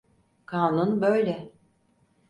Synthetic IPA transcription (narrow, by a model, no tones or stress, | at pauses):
kʰaːnunbø̞jlʲɛ